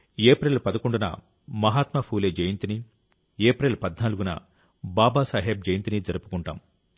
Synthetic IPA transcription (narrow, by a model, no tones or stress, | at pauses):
eːpɾeːlpɐd̪ɐkoɳɖunɐ̰ | mɐɦaːt̪mɐpʰuːleːd͡ʒɐjint̪ini | eːpɾeːlpɐd̪naːluɡunɐ̰ | baːbaːsaːɦeːb̚d͡ʒɐjɐnt̪inid͡ʒɐɾɐpu̥kuɳʈa̰ːm